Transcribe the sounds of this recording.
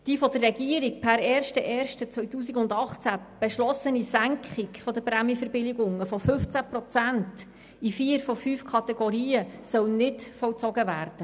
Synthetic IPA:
d̥iːfɔd̥̪ərːɛɡiəɾik̚pʰæɾɛːɾʃtəʔɛːɾʃtət͡sʋœɥtuːs̬ikʊnd̪ɑχt͡sæ | b̥eʃlɔsənisæŋkχɪkfɔd̪əpɾæmjəfəɾbɪlɪɡʊŋəfɔfɵft͡sæpɾɔt͡sænt | ifiːəɾfɔfyːfkʰɑt̪ɛɡɔɾiːəsœwnɪtfɔlt͡sɔɡəvæːɾd̥ə

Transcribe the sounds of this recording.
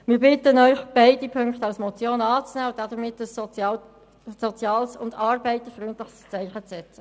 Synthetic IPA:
mɪːɾbɪt̪ənœʏχb̥æɪdipʰʏŋkχtəɑlsmɔt͡sjoːnɑːt͡snɛːʊntdɑd̥̪əɾmɪtːəs | sot͡sjɑːlsʊndɑːɾbɛɪt̪əfʁynt̪lɪχst͡sæɪχət͡sɛt͡sə

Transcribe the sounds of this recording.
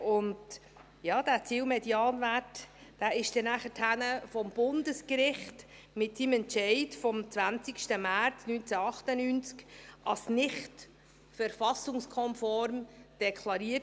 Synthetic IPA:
ʊnd | jɑːd̥æːt͡siwmɛdjɑːnvætd̥æːɪʃd̥ɛnæχəthænəfɔmb̥ʊndəskɾɪχt | mɪtsimɛntt͡ʃɛɪtfɔmt͡svænt͡sɪkʃtəmæɾt͡snyːnt͡sæɑχtənyːnt͡skʔɑlsnɪχt | fəɾfɑsʊŋskʰɔnfɔɾmd̥ɛkʰlɑɾiːət

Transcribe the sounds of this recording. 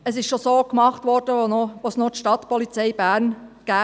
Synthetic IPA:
əsɪʃʃosoːkmɑχtʋɔɾd̥əooʋosnotʃtɑt̪pɔlit͡sɛɪbæːɾnɡ̥æː

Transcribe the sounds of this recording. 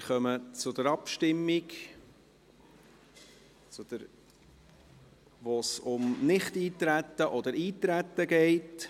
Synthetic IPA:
χœmət͡sʊd̥̪əɾɑpʃtɪmːik | t͡sʊd̪̥əɾ | ʋosʊmnɪχtiːt̪ɾæt̪ːəʔɔd̪əɾiːt̪ɾæt̪ːəɡɛɪt

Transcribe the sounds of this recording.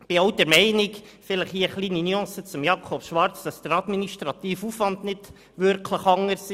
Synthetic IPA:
b̥ɪɑwdɛɾmɛɪnɪk | fɪləχhiːəχliːninyɑ̃ːsət͡sʊmjɑkʰɔbʃʋɑɾt͡sd̥ɑsd̥əɾɑd̪miniʃtɾɑt̪iːfuːfvɑnd̪nɪd̥ | ʋʏɾkʰləχɑŋəsi

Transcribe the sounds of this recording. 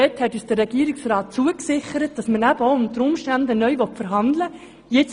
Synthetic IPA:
ɛthɛtyːsd̥ərːɛɡ̥iːɾɪksrɑːt̚t͡suəksɪχəɾət̚d̥ɑsmənæbəoʊmd̪əɾʊmʃtænd̪ənœʏʋɔtfəɾɦɑnd̪lə | jet͡s

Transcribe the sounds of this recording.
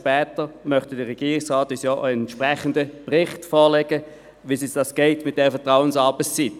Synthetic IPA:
pɛːtəmœχtədəʁɛɡ̥iːʁɪksʁɑːtːysjɔːʔəɛntʃpʁɛχəndəpʁɪχtfɔːleɡə | ʋisisd̥ɑsɡ̥ɛɪtmɪt̚d̥ɛʁəfɛɐtʁaʊənsɑːbəssit

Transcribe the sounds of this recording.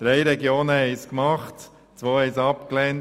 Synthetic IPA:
d̪̥ɾɛɪɾɛɡjoːnəhɛɪskmɑχt | t͡sʋoːhɛɪsɑpklɛnt

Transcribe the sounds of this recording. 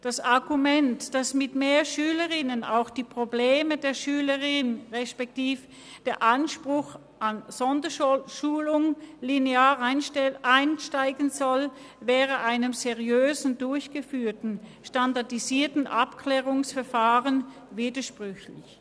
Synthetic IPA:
d̥asaɐɡumɛntd̥asmɪtmeːɐʃyːləʁɪnəna̰ʊxd̥iːpʁ̥obleːmədeːɐʃyːləʁɪnʁɛʃpɛk̚tiːf | d̥eːɐʔanʃpʁ̥ʊx | ʔanz̥ɔndɐʃuːlʊŋlineaːʁʔaɪnʃtaɪɡənzɔl | vɛːʁəʔaɪnəmzeʁijøːzn̩dʊɐçɡ̥əfyːɐtn̩ʃtandaɐdiziːɐtn̩ʔapkʰlɛːʁʊŋsfɛɐfaːʁən | viːdɐʃpʁ̥ʏçlɪ̰ç

